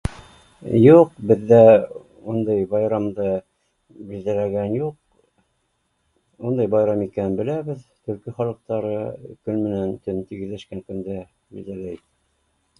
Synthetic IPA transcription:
juqbɘ̆ðːæ | und̪ɑjbɑjɾɑmd̪ɤ | bild̪ælæɡænjuq̚ | und̪ɑjbɑjɾɑmikænɘnbɘ̆læβɘðt̪ɵ̆ɾkiχɑlˠɤ̆q̚t̪ɑɾɤkɵnmɘ̆nænt̪ɵnt̪iɡɘ̆ðlæʃkæŋkɵ̆nd̪æ | bḭld̪ælæit̪æ

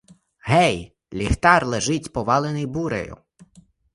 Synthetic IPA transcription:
ɦɛj | lʲixt̪ɑrlˠeʒɪtʲpɔʋɑlˠenɪjbuɾḛjʊ̰

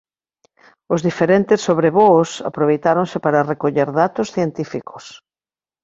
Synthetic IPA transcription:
ʊzðifeɾent̪ɪsːoβɾeβosa̰pɾoβejt̪aɾoŋsɪpaɾɐrekoʎeɾðat̪osθjent̪ifikʰo̥s

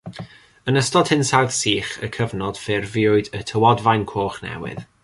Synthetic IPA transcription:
ənəstɔd̥hɪnsawðsiːχə̰kʰəvnɔd̥fɪrvɪʊɨdətʰəwɔdvajnkʰoːχnɛ̰wɪ̰ð

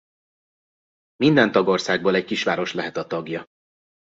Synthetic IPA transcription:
mind̪ɛnt̪ɒɡo̞rsaːɡ̚boːlɛɟkiʃʋaːɾo̞ʃlɛɦɛt̪ɒt̪ɒɡjɒ

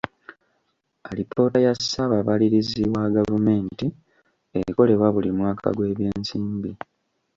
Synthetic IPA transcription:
alipʰo̞ːtajasaβaβaliɾiziwaɡavume̞ːnti | eko̞le̞βwaβulimwaːkʰa̰ɡwe̞ːβjeːnsiːmbi

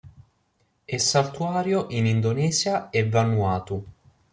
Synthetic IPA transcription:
esːalt̪uaːɾjoʔinind̪onɛːzjaevːanːuaːt̪u

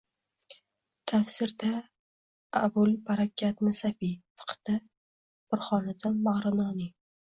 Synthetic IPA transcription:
t̪ʰafsɪɾd̪a | a̰bʊlbaɾakʲʰːat̪nɪsafifɨ̥qʰt̪a | bʊɾχɒnad̪ɪnmaʁɾɪnɒnɪ

